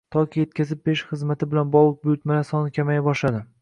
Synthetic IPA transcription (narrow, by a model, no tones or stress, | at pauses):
t̪ʰɒkʲʰije̞t̪kʲazɪp̚beʃχɨzmat̪ʰɪbɪlanbɒlˠɨq̚bʊjʊt̪malasɒnɪkʲʰamajabɒʃlad̪ɪ